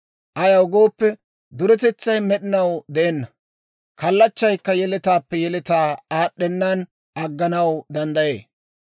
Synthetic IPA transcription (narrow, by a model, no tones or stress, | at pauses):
ʔɐjɐwɡo̞ːpːɛ | d̪ʊɾɛt̪ɛt͡sːɐjmɛɗɪnɐwd̪ɛʔɛnːɐ | kɐlːɐt͡ʃːɐjkːɐjɛlɪt̪aːpːɛjɛlɛt̪aːaːɗːɛnːan | ʔɐɡːɐnɐwd̪ɐnd̪ɐjḛː